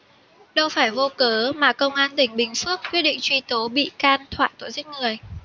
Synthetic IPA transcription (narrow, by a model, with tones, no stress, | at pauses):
ɗə˧wfaː˧˩jvo˧kəː˨˦maː˨˩kə˧wŋ͡mʔaː˧nt̪ï˧˩ŋ̟ɓï˨˩ŋ̟fɨ˦˥ək̚kːwi˦˥t̚ɗḭ̈˧˨ŋt͡ɕwi˧t̪o˨˦ɓḭ˧˨kaː˧nt̪ʰwa̰ː˧˨jt̪o̰˧˨sï˦˥k̟̚ŋɨ˨˩əj